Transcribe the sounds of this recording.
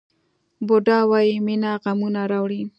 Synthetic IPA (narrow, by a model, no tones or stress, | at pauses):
boɖɑwɑjiminaɣamunaɾɑwɽi